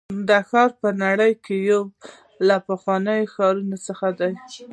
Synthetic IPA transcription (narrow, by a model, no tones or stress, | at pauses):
d̪əxɑɾpənaɽəjkejaw | lapəxwɑnəjoxɑɾunot͡səxad̪aj